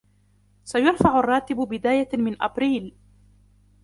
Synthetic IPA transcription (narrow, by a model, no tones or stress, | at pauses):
sajaɾfaʕʊrˤːɑːt̪ɪbbɪd̪aːjamɪnʔa̰bɾiːl